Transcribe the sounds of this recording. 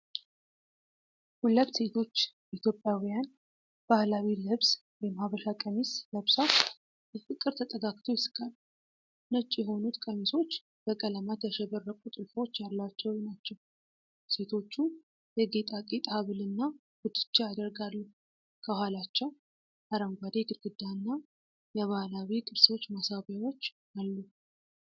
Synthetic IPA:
hulːəβse̞t̪ʰo̞t͡ʃː | ʔit̪ʰjo̞pʼːjawijan | b̥ahlawilɨβs | wɛmhaβəʃakʼənisləβsa | jɛfɨkʼɨɾt̪ʰət̪ʼəɡakʼt̪ʰojɪsɨ̥kʼal | nət͡ʃʼːjɛɦo̞nut̪kʼəniso̞t͡ʃː | b̥əkʼələmat̪jɛʃɛβərːəkʼut̪ʼɨlfo̞t͡ʃːjalːat͡ʃːɛwnat͡ʃːɛw | se̞t̪ʰo̞t͡ʃːu | jɛɡet̪ʼakʼet̪ʼhaβɨlɨnːa | wʊt̪ʰːɨ̥t͡ʃːaad̪əɾɡalːu | kʰəhalat͡ʃːa | ʔaɾəmɡʷad̪eɡɨɾɡɨd̪ːaɨnːa | jɛβahlawikʼɨɾso̞t͡ʃːmasaβjawo̞t͡ʃː | alːu

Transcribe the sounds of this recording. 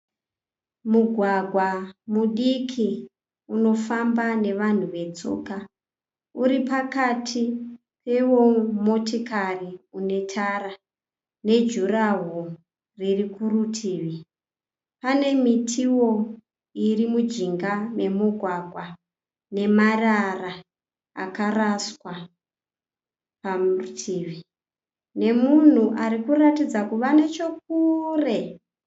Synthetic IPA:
muɡʱwaɡʱwamuɗikʰi | uno̞fambane̞ʋan̤uʋe̞t͡so̞̰ka | uɾipakatʰi | pe̞wo̞motikariune̞tʰara | ne̞d͡ʒuraɦo | ririkurutʰiːʋi | pane̞mitʰiwo̞ | irimud͡ʒiŋɡame̞muɡʱwaɡʱwa | ne̞marara | a̰karaswa | pamutʰiːʋi | ne̞mun̤uʔaɾikuratid͡zakuʋane̞t͡ʃo̞k̚ure̞

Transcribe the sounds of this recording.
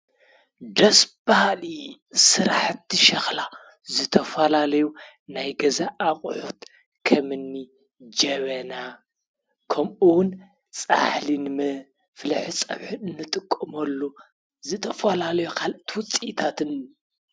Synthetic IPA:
d̪ɐsb̥ahalisɨɾaħt̪ʰːiʃɐxla | zɨt̪ʰɐfɐlalɐju | najɡɐzaʔːχʼħut̪ | kʰɐmɨnːi | d͡ʒɐβɐna | kʰɐmʔuwʊn | t͡sʼa̰ħlinmɐ | fɨlħɨt͡sʼɐ̰βħɨɨnːɨt̪ʼɨkʼːɨmɐlːo | zɨt̪ʰɐfɐlalɐjukʰalʔɨt̪ʰwʊt͡sʼit̪ʰat̪ʰɨn

